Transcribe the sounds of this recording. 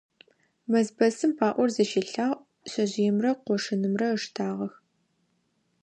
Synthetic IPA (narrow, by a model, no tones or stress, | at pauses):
mɐzbɐsɨmpʰaːʔʷɔrzɐʃiɬaːʁ | ɕɐʑijɪmrɐqʷɔʂɨnɨmrɐəʂtʰaːʁɐx